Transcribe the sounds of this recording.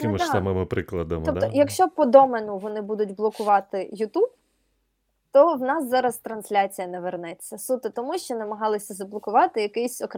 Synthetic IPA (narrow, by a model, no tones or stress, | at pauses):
kɪmɪd̪ɐmɪmɪpɾɪklˠɐd̪ɐmɔpt̪ɔjɐkʃt͡ʃɔpɔd̪ɔmenʊʋɔnɪbud̪ʊtʲblˠɔkʊʋɑt̪ɪjʊt̪ub | t̪ɔwnɑszɑɾɐst̪ɾɐnsʲlʲat͡sʲijɐnɛʋernɛt͡sʲːɐsut̪ɪt̪ɔmuʃt͡ʃɔnɐmɐɦɑlˠɪsʲɐzɐblˠɔkʊʋɑt̪ɪjɐkɪsʲɔk